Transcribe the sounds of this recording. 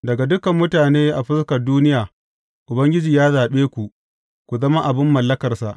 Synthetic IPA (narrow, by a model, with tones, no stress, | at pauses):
dɐ˨ɡa˨dʊ˦kɐ˨mːʊ˦taː˨neː˦ʔa˨ɸɪ˦skɐ˨rduː˦nɪ˦jaː˨ | ʔʊ˨bɐ˦ŋɡʲɪ˦d͡ʒiː˨jaː˦zaː˨ɓeː˦kʷu˨ʔ | kʷu˨zɐ˦ma˦ʔa˨bɪ˦mːɐ˨lːɐ˦kɐ˨rsa˨ʔ